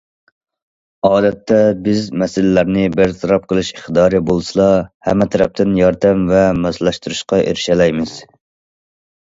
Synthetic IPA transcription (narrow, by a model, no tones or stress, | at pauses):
ɑːd̪ɛt̪ʰːɛbɪzmɛsɪlɪlæɾnɪbɪɾt̪ʰɑɾɑp̚qʰəlˠɨʃiχd̪ɑːɾɨbolˠsɨlˠɑhɛ̰mːɛt̪ʰɛɾɛp̚t̪ɪnjɑɾd̪ɛmvɛmɛslˠɑʃt̪uɾɨʃqɑʔḛɾɪʃɛlɛjmɪz̥